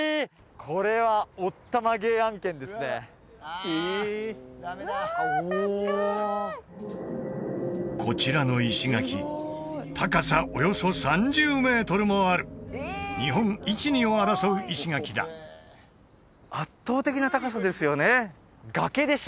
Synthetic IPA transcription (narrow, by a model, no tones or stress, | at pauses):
kʰo̞ɾe̞βaot̪ːamaɡe̞ːãŋkẽ̞nd̪e̞sɨne̞ | kʰo̞t͡ɕiɾano̞iɕiɡakʲḭ | t̪ʰakasaʔo̞jo̞so̞sãɲ̟d͡ʑɨːme̞ːt̪o̞ɾɯ̟moaɾɯ̟ɲ̟iɦõ̞ŋ̃it͡ɕiɲ̟ĩoaɾasoɯ̟ʔiɕiŋakʲid̪a̰ | at̪ːo̞ːt̪e̞kʲinat̪akasad̪e̞sɨjo̞ne | ɡake̞d̪e̞ɕ